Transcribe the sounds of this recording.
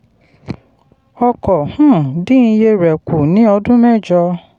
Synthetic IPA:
ɔ˧kɔ˨hũ˦˨dĩ˦˧˦je˧ɾɛ˨ku˨nĩ˨˦ɔ˧dũ˦mɛ˦˨d͡ʒɔ˧

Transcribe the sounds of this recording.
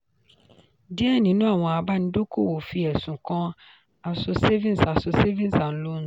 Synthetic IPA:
dɪ˦ɛ˦˨nĩ˨nʊ̃˦a˨wɔ̃˨a˨ba˦n̩˨˦do˦kʰo˦˨wo˨fi˦ɛ˨sʊ̃˨kʰɔ̃˦ | a˨sʊ˨se˦vĩ˦n˨sa˨sʊ˨se˦vĩ˦n˦sa˨n̩˦lo˦n˦

